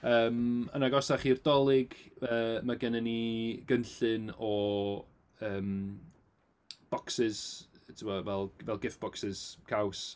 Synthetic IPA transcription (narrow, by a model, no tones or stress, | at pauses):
əːmənaɡɔsaχirdɔlˠɪɡəːmaɡɛnɛniɡ̥ənɬɨnɔ | əːm | b̥ɔksɪz̥tʰɪwɔvɛlˠvɛlˠɡɪfb̥ɔksɪz̥kʰaws